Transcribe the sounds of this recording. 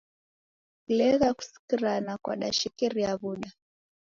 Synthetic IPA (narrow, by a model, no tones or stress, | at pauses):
kulɛɣaku̥si̥kiɾanakwa̰ɗaʃikiɾiaβuɗa